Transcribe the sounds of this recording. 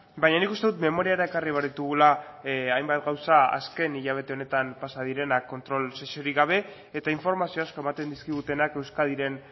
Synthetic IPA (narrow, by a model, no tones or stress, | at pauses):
bajɲanikust̪e̞ðut̪me̞mo̞ɾiaɾae̞kariβaɾðit̪uɣ̞ulaajmbat̪ɡawsaa̰ske̞niʎaβ̞e̞t̪e̞o̞ne̞t̪ampasaðiɾe̞nakːo̞nt̪ɾo̞lsesioɾiɣaβ̞e̞ː | t̪aiɱfo̞ɾmasioasko̞e̞mat̪e̞nd̪iskiɣ̞ut̪e̞nake̞wskaðiɾe̞n